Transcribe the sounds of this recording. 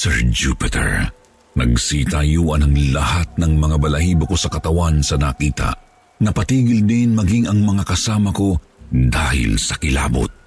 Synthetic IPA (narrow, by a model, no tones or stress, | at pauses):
sɛɹd͡ʒupɪt̪ɛ̰ɹ | nɐ̰ɡ̚sit̪ajuːʔɐnɐŋlɐhat̪̚nɐŋmɐŋabɐlɐhiːboko̞sɐkɐt̪ɐwansɐnɐkiːt̪ɐ̰ | nɐpɐt̪iːɡɪld̪ɪnmɐɡiŋɐŋmɐŋakɐsaːmɐko̞ | d̪aːhɪ̰lsɐkɪla̰ːbo̰t̪̚